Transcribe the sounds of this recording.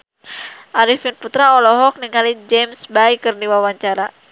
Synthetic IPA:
ʔaɾifinput̪ɾaɔlɔɦɔk̚niŋalid͡ʒɛmsbaikɨrdiwawaɲt͡ʃaɾa

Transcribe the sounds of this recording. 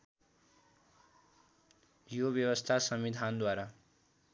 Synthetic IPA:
jobjʌwʌst̪ʰasʌmid̪ʱand̪waɾa

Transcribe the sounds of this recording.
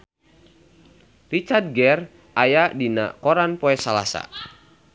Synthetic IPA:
rit͡ʃard̚ɡɛr | ʔajadina̰kɔɾanpɔɛsalasa̰

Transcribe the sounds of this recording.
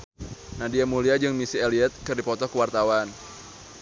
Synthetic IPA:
nadiamuliad͡ʒɨŋmisieliɛt̪̚kɨrdipɔt̪ɔkəwart̪awan

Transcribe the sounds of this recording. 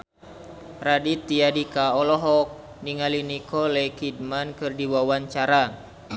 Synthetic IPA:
radit̪iadikaɔlɔɦɔk̚ | niŋalinikɔlɛkid̚mankɨrdiwawaɲt͡ʃaɾa

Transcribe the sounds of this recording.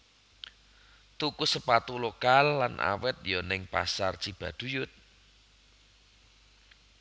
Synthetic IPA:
t̪ukusəpat̪ulokalːanʔa̰wɪt̪̚jɔnɪŋpa̰sart͡ʃib̥a̤d̪̥ṳjʊt̪̚

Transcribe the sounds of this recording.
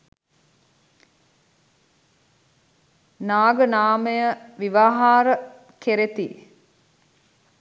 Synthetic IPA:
naːɡənaːməjəʋiʋaːɦaːɾə | keɾet̪i

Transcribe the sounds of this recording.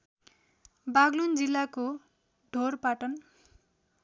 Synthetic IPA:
baɡlund͡zilːako | ɖʱorpaʈʌn

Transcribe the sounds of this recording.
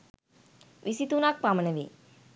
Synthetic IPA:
ʋisit̪unak̚pamənəʋḭ

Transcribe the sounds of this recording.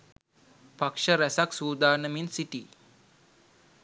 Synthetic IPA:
pakʂəɾæsaksuːd̪aːɾnəminsiʈiː

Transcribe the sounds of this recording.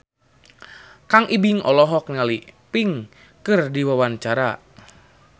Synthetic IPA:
kaŋʔibiŋɔlɔɦɔk̚nalipiŋ | kɨrdiwawant͡ʃaɾa

